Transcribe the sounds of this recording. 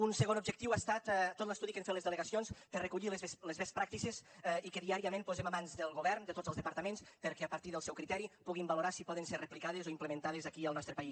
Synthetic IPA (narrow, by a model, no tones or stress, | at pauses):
unsəɣonubʒək̚t̪iwast̪at̪t̪ːot̪ləst̪uðikenfet̪lezðələɣasionspəɾrəkuʎilezeslezβespɾak̚t̪isezɛikeðiaɾiəmẽnpuzemamanzd̪əlˠɣoβɛɾnd̪ət̪ozəlˠzðəpəɾt̪əmẽnspəɾkeapaɾt̪iðəlˠsɛwkɾit̪ɛɾipuɣimbaluɾasipɔðenserəplikað̞ezoimpləmẽnt̪að̞ezakiəlˠnɔst̪ɾəpais